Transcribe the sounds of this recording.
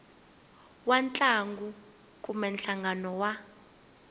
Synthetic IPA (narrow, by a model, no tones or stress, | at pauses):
want͡ɬʼaŋɡu | kʼumɛnɬaŋɡʱanɔwa